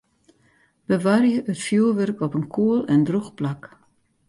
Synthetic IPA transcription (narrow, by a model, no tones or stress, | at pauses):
bəʋarjəʔətfjuəʋørkɔpənkʰuəlɛndruxplak